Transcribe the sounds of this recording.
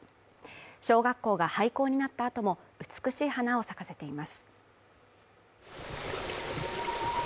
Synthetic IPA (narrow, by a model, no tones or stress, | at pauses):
ɕo̞ːɡakːo̞ːɡahaiko̞ːɲ̟inat̪ːaːt̪o̞mo̞ɯ̟t͡sɨ̥kɯ̟ɕiːhanao̞sakase̞t̪e̞imasɨ̥